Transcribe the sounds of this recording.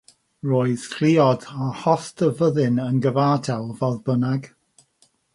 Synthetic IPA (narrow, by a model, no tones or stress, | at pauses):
ɹoːɨð̥kʰl̥iɔdahɔstəvəðɪnənɡəvaːdʰalˠvɔðbənaɡ